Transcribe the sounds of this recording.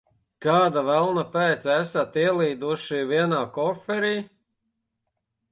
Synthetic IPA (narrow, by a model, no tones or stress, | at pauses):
kaːd̪avælˠnapɛːt̪sæsat̪iɛlˠiːd̪uʃiviɛnaːkɔfɛɾiː